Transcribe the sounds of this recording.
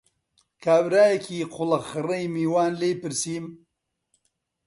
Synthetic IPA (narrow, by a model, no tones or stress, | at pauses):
kaːwɾaːjkʰiːqʰʊlɐxɾɐjmiːwaːnlejpiɾsiːm